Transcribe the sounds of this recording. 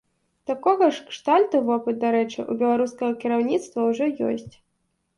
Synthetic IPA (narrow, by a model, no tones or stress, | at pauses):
t̪akɔɣɐʂkʂt̪alʲt̪uvɔpɨt̪̚d̪aɾɛt͡ʂɨ̰ʔṵbʲɛlˠaɾuskɐɣɐkʲiɾawnʲit̪st̪vɐwʐɔjɔ̰sʲt͡sʲ